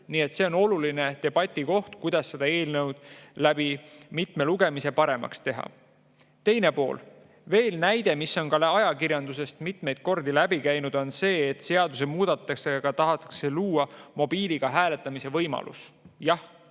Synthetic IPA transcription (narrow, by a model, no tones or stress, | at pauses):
niːet̪ːse̞o̞no̞luline̞t̪e̞b̥ɑt̪ʲːˑiko̞ht̪kujd̪̥ɑsːe̞d̪̥ɑe̞ːlnewd̪̥̚læb̥imit̪me̞luɡ̥e̞mise̞pɑɾe̞mɑ̰kst̪e̞ɦɑ̰ | t̪e̞jne̞po̞̰ːl | ve̞ːlnæjd̪̥e̞misːo̞nkɑlɑjɑkiɾjɑnd̪use̞st̪mit̪ˑme̞jd̪̥̚ko̞rd̪ilæbikæjnud̪̥o̞nse̞ːt̪ːse̞ɑd̪us̬emuːd̪̥ɑt̪ːˑɑkseɑɡ̥ɑt̪ɑɦɑt̪ːˑɑ̥kse̞luːɑmo̞b̥iːliɡ̥ɑɦæːle̞t̪ːˑɑmise̞vɤjmɑ̰lṵsjɑh